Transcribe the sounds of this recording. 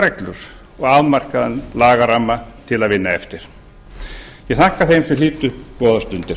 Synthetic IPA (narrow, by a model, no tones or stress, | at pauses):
ɾɛklʏɾ̥ | ɔɣavmar̥kaðanlaːɣaramːat̪ʰɪlaðvɪnːaɛft̪ɪɾ̥ | jɛɣθahkaθejmsɛliːt̪ʏkɔːðast̪ʏnt̪ɪɾ̥